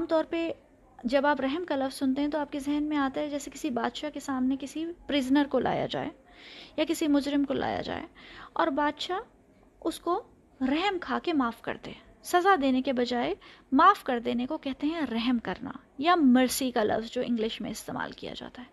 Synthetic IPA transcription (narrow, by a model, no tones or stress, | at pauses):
aːmt̪ɔːɾpe | d͡ʒɐbaːpɾɛɦmkalɐfz̥sʊnt̪eɦɛ̃t̪oaːp̚kezɛɦnmẽaːt̪aɦɛd͡ʒɛːsekɪsibaːd̪ʃakesaːmnekɪsipɾɪznəɾkolʔa̰ːja̰d͡ʒa̰ːḛ | jakɪsimʊd͡ʒɾɪmkolʔa̰ːja̰d͡ʒa̰ːḛɔːɾbaːd̪ʃa | ʊsko | ɾɛɦəmkʰaːkemaːfkɐ̰ɾt̪ḛɦɛ̃ | sɐzad̪eːnekebɐd͡ʒaːemaːfkɐɾd̪eːnekokɛɦt̪eɦɛ̃ɾɛɦmkɐɾna̰ | jamɐɾsikalɐ̰fzd͡ʒoːʔɪ̃ŋɡlɪʃmḛ̃ɪst̪ḛːma̰ːlkija̰d͡ʒa̰ːt̪aɦɛː